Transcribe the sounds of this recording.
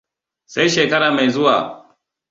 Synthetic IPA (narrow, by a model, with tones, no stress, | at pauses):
sa˦jʃeː˨kɐ˦ɽaː˨ma˨jzʊ˦waː˨